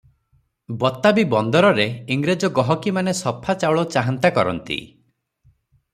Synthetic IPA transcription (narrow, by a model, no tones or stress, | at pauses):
bɔt̪ːabibɔnd̪ɔɾɔɾeiŋɡɾed͡ʒɔɡɔɦɔkimanesɔpʰːat͡ʃawɭɔt͡ʃaɦant̪akɔɾɔ̰nt̪ḭ